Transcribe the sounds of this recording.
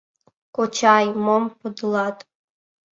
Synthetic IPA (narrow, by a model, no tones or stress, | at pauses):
kʷʼɔt͡ʃʰajmompʰɔd̪lˠatʼ